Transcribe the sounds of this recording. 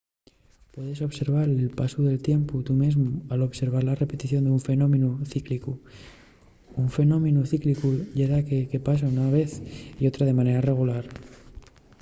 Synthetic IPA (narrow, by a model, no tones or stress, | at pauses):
pwe̞ðeso̞βse̞ɾβ̞aɾelpasuðe̞lt̪je̞mput̪umezmualo̞βse̞ɾβ̞aɾlare̞pe̞t̪iθjo̞nd̪uɱfe̞no̞mẽnuθikliku | uɱfe̞nõ̞mẽnuθiklikuʎeðakeke̞pas̬aunaβe̞θio̞t̪ɾaðe̞mãne̞ɾare̞ɣ̞ulaɾ